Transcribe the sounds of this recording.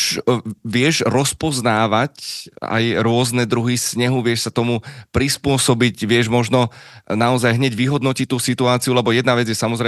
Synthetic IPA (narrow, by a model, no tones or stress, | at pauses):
ʋɪɛʒɾɔspɔznaːʋaca̰jɾʊɔznɛd̪ɾuɦisɲɛɦuʋɪɛʃsat̪ɔmupɾispʊɔsɔbicʋɪɛʒmɔʒnɔnaɔzajɦɲɛɟʋiɦɔd̪nɔcit̪uːsit̪uaːt͡siulɛbɔjɛd̪naʋɛd͡zjɛsamɔzɾɛ